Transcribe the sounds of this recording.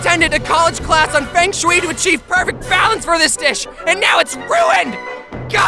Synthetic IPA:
tʰɛ̃ndɨɾɨkʰɑlˠəd̥d͡ʒʒ̥kʰl̥æsn̩fæ̃ŋʃwiɾɨɨt͡ʃʰiv̥pʰɜ˞fɨk̚t̚b̥ælˠə̃nsfə˞ðɪsd̥ɪʃɨ̃nːaʊɨtsɹuɨ̃nɡ̥ɑ

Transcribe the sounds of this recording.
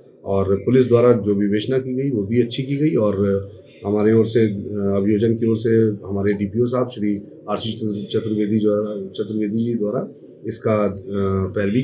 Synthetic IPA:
ɔːɾpʊlɪs̬d̪waːɾad͡ʒoːʋɪʋeːʃnakiɡɐiʋobʱiɐtːʃʰikiɡɐiɔːɾ | ɦɐmaːɾeoːɾseɐbʱɪjoːd͡ʒənkioːɾseɦɐmaːɾeɖiːpiosaːbʃɽi | aːɾsit͡ʃt͡ʃɐt̪ɾəʋeːd̪ʱiːt͡ʃɐt̪ɾəʋeːd̪ʱid͡ʒid̪waːɾa | ɪska | pɛːlbʱi

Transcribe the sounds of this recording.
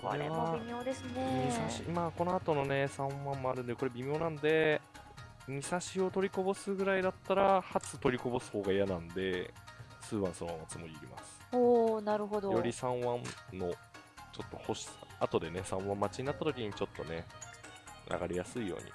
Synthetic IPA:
koɾeβabimʲjo̞ːd̪esɨneɲisaɕimaːko̞no̞at̪o̞no̞ne̞sãɰ̃βãmːo̞aɾɯ̟̃nd̪eko̞ɾe̞bʲimʲo̞ːnãnd̪e̞ | ɲ̟isaɕio̞t̪o̞ɾʲiko̞bo̞sɨɡɯ̟ɾaid̪at̪ːaɾahat͡sɨt̪o̞ɾʲiko̞bo̞sɨ̥ho̞ːɡaijanãnd̪e̞sɨːβãɰ̃sooãat͡sɨmoɾʲiːɾʲima̰sɨ̥oːnaɾɯ̟ɦod̪ojo̞ɾʲisãɰ̃βãnno̞ | t͡ɕo̞t̪ːo̞ho̞ɕi̥at̪o̞d̪e̞ne̞sãβãmːat͡ɕiɲ̟inat̪ːat̪o̞kʲiɲ̟it͡ɕo̞t̪ːo̞ne̞ | nʔa̰ɡaɾʲijasɨijo̞̰ːɲ̟ʲḭ

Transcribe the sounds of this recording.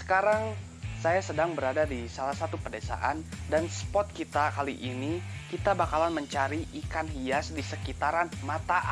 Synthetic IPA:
sə̥kaɾaŋ | sajasədaŋbəɾadadisalahsat̪upərdesa̰ʔandanspɔt̪̚kit̪akaliʔinikit̪abakalanməɲt͡ʃaɾiʔikanhiasdisəkit̪aɾanmat̪a

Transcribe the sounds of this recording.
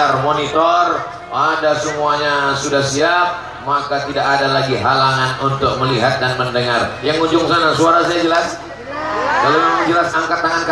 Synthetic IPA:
armonit̪ɔr | adasəmuaɲasudahsiap̚ | makat̪idaʔadalaɡiɦalaŋanunt̪ʊk̚məliɦat̪̚danməndəŋarjaŋuɲd͡ʒʊŋsanasuaɾasajad͡ʒəlas | kalomamaŋd͡ʒəlasaŋkatt̪ːaŋank

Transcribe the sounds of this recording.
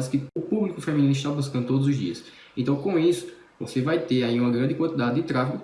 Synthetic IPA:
ɪskɪʊpublikʊfemĩnĩnɪʃt̪abuskɐ̃nd̪ʊt̪od̪ʊzʊzd̪ḭɐs | ẽt̪ɐ̃w̃kõisʊ̥ | vosevajt̪eɾaiũmɐɡɾɐ̃nd̪ɪkwɐ̃nt̪id̪ad̪ɪd̪ɪt̪ɾafikʊ

